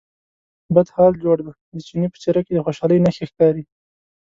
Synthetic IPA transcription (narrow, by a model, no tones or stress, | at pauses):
bəd̪hɑld͡ʒoɽd̪ə | d̪ət͡ʃinipə̥t͡ʃeɾaked̪əxoʃɑləjnaxexkɑɾi